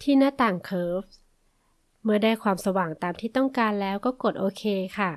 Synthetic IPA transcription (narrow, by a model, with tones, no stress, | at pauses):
t̪ʰiː˥˩naː˥˨t̪aː˨˩ŋkʰɤː˦˥p̚ | mɯ˥˩ɐdaː˥˩jkʰwaː˧msa˧waː˨˩ŋt̪aː˨˧mt̪ʰiː˥˩t̪ɔ˥˩ŋkaː˧nlɛː˦˥wkɔː˥˩ko˨˩t̪̚ʔoː˧kʰeː˧kʰa˥˩